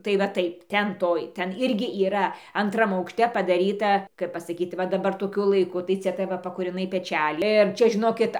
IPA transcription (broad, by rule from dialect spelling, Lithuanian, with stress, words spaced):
tɐɪ ʋɐ ˈtɐɪp ˈtʲɛn ˈtoːj ˈtʲɛn ˈɪrʲɡʲɪ iːˈrɐ ɐnˈtrɐm ɐʊkʃʲˈtʲɛ pɐdɐˈrʲiːtɐ kɐɪp pɐsɐˈkʲiːt ˈʋɐ dɐˈbɐr toːˈkʲʊ lˠɐɪˈkʊ tɐɪ ˈt͡sʲɛ tɐɪ ˈʋɐ pɐkuːrʲɪˈnɐɪ pʲɛˈt͡ʃʲælʲɪ ɪr ˈt͡ʃʲɛ ʒʲɪˈnoːkʲɪt